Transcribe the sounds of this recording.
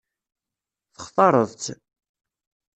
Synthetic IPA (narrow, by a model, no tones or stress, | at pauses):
θə̥χθˤɑɾˤəðˤt͡s̪